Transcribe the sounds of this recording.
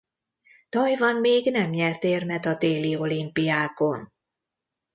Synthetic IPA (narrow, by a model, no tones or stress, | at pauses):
t̪ɒjvɒnmeːɡnɛmɲɛlt̪eːrmɛt̪ɒd̪eːlio̞limpijaːko̞n